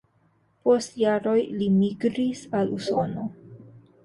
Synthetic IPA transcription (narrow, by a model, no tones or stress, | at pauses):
po̞stjaɾo̞jlimiɡɾisaluso̞no̞